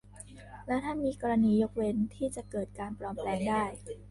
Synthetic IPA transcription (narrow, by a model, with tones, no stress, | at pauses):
lɛ˦˥wt̪ʰa˥˩nmiː˧kɔː˧ɾa˧niː˧jo˦˥k̚we˧nt̪ʰiː˥˩t͡ɕa˨˩ʔkɤː˨˩t̪̚kaː˧npɾɔː˧mplɛː˧ŋdaː˥˩j